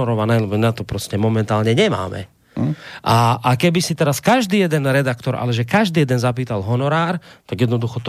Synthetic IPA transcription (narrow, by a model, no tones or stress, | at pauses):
ɔɾɔʋanɛlmɛnat̪ɔpɾɔscɛmɔmɛnt̪aːlɲɛɲɛma̰ːmɛ̰ | ʔaakɛbisit̪ɛɾaskaʒd̪iːjɛd̪ɛnɾɛd̪akt̪ɔɾʔa̰lɛʒɛkaʒd̪iːjɛd̪ɛnzap̬iːt̪alɦɔnɔɾaːɾt̪aɡjɛd̪nɔd̪uxɔt̪